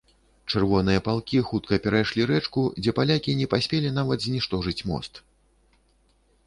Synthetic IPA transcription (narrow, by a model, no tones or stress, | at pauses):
t͡ʂɨrvɔn̪ɨjɐpalˠkʲixut̪̚kɐpʲɛɾajʂlʲiɾɛt͡ʂkud͡zʲɛpalʲakʲinʲɛpasʲpʲelʲin̪avɐd̪zʲnʲiʂt̪ɔʐɨt͡sʲmɔ̰st̪